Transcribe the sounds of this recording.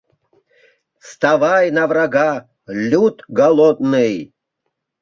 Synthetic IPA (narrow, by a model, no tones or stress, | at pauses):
st̪avɑjnɐvraɡa | lʲut̪ɡalˠod̪nɨj